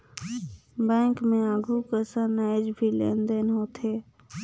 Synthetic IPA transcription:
bɛ̃ːŋkmẽaːɡʱukəsənaːɪd͡ʒbʱilḛnd̪ənɦoːt̪ʰɦeː

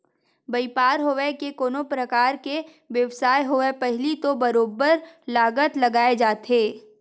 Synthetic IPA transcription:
bɐipaːɾɦoʋekekoːnopɾəkaːɾke | ʋjɐʋsaːjɦoʋepɛɦlit̪obɐɾoːbəɾlaːɡət̪lɐɡaːed͡ʒaːt̪ʰeː

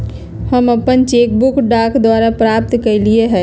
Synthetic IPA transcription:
həməpənt͡ʃeːkbʊkɖaːkd̪waːɾapɾaːp̚t̪kəlieɦɛː

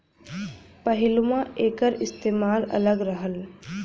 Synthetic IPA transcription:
pəɦɪlmãeːkəɾɪst̪eːmaːlɐ̰ləɡɾəɦəl

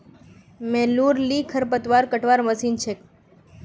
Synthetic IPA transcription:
meluɾlikʰəɾp̬ət̪ʋaɾkəʈʰʋaɾməsint͡ʃʰek

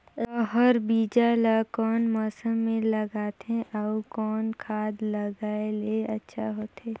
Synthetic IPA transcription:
ɔɦəɾbiːd͡ʒalakɔːnmɔːsəmːẽləɡaːt̪ɦẽʔaukɔːnkʰaːd̪ləɡaːeleɐtːʃʰaɦoːt̪eː

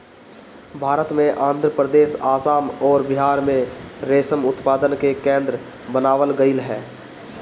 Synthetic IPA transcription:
bʱaːɾət̪mẽʔãːnd̪ʱɾəpɾəd̪eːsaːsaːmɔːɾbɪɦaːɾmẽɾeːsəmʊt̪paːd̪ənkekẽːnd̪ɾə | bənaːʋəlɡəɪlɦɛː

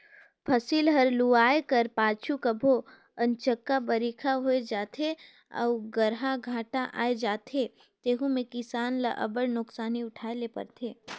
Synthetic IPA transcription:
pʰɐsiːlɦɐɾluaːekəɾpaːt͡ʃʰukəbʱo | ɐ̃nt͡ʃəkːabɐɾiːkʰaɦoːed͡ʒaːt̪ʰe | əɔ̰uɡəɾɦaɡʱaːʈaʔa̰ːed͡ʒaːt̪ʰe | t̪eːɦũmẽkɪsaːnləʔɐ̰bəɽnʊksaːniʊʈʰaːelepɐ̰ɾt̪ʰeː

